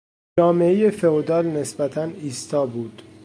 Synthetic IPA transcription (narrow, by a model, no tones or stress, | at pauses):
d͡ʒɒːme̞eje̞fe̞od̪ɒːlne̞sbæt̪ʰæniːst̪ɒːbuːd̪̥